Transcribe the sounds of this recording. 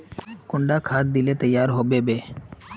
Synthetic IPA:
kʊ̃ɳɖakʰaːt̪̚d̪ilet̪əjːaːɾɦoːbeːbeː

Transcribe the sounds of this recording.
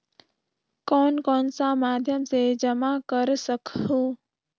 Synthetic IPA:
kɔːnkɔːnsamaːd̪ʱjəmsed͡ʒəmakəɾsəkʰɦoː

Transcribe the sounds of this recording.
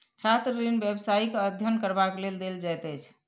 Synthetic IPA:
t͡ʃʰat̪ɾəɾinbjebsaikeəd̪ʱjənkəɾbakleld̪eld͡ʒajt̪əjt͡ʃʰ

